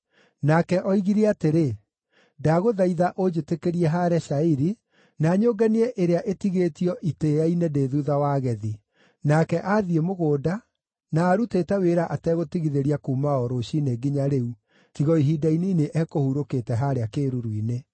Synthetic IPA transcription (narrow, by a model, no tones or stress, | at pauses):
nakɛʔɔiɣiɾeateɾe | daɣoðaiðaʔod͡ʒetekeɾiɛɦaɾɛʃaiɾi | naːɲoːɡaniɛʔeɾeaʔetiɣetiɔʔiteainedeːðuðawaːɣɛði | nakɛʔaðiemoɣoːda | naːɾutetɛweɾaʔatɛɣotiɣiðeɾiakuːmaɔɾoɕineɡiɲaɾeu | tiɣɔiɦidainiːneʔɛkohuɾoketɛɦaɾeakeːɾuɾwine